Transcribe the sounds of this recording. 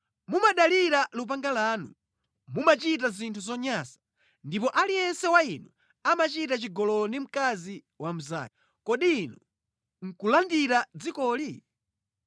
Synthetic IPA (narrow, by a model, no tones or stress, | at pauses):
mumaɗaliɾalup̬aŋɡalaːnṵ | mumat͡ʃit̬azintʰuzɔɲasḁ | ndip̬ɔʔalijɛnsɛwainu | amat͡ʃitat͡ʃiɡɔlɔnim̩kazi | wam̩za̰ | kɔɗiːnɔ | ŋ̩kulandiɾad͡zikɔːli